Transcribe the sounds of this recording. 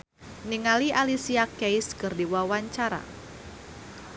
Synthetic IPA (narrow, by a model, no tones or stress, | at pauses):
niŋaliʔalisiakejskɨrdiwawaɲt͡ʃaɾa̰